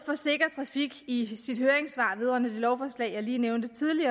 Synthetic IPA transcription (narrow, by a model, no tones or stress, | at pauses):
fɒ̽se̝ɡ̥ɐt͡sʰʁɑ̈fiɡ̥isid̥høɐeŋsʋɑ̰̈ːʋeð̞ˠʁœ̰ɐnəd̥e̝lɒʊfɒːslɛ̰ɪjɑ̈ɪliːneʊnd̥ət͡sʰiðˠliɐ